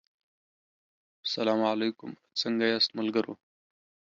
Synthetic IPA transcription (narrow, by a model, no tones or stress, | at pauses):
salaːmalejkʊm | t͡səŋɡajast̪məlɡəɾo̰